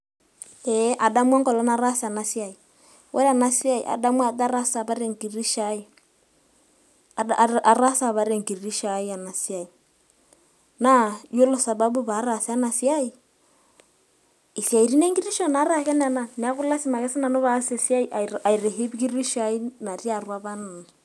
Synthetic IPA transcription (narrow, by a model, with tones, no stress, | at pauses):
ɛʔa˨ɗa˦mwa˦ŋɡɔ˨lɔ˨˦na˦ɾa˦sa˨na˨si˦a˦i˨ | wʔɛ̰˦ɾa˨na˦si˦a˦ḭ˨ʔa̰˨ɗa˦mwa˨t̪a˦ɾa˦sa˨βa˦ɾe˨ŋɡi˨ɾi˦ʃa˨˦i˦ | a˨a˨ɾa˦sa˨βa˨ɾe˨ŋɡi˨ɾi˦ʃa˨i˦a˨na˨si˦a˨i˨ | na˦jo˦lɔ˨sa˨ba˦bu˦βa˨˦ɾa˨si˦a˦na˨sja˦i˨ | i˨si˨a˨i˨ɾi˦ne˦ŋɡi˦ɾi˦ʃɔ˦na˨˦ɾa˦˨kɛ˦n˦a˨na˨ni˨a˦ku˦la˦si˦ma˨kɛ˦si˦na˨no˦βa˨˦se˨si˦a˦i˦ʔa˨a˨i˨ɾɛ˨ɦi˦βi˦ki˦ɾi˦ʃa˨˦i˦na˨ri˦a˨rwa˦βa˦nu˨n